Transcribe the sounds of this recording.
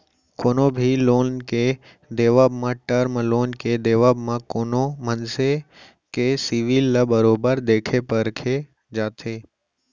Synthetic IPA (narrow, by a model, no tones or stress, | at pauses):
koːnobʱiloːnke | d̪eːʋaːbmãʈəɾmloːnked̪eːʋaːbmãkoːnomənse | kesiʋilːəbəɾoːbəɾd̪eːkʰepəɾkʰe | d͡ʒaːt̪ʰeː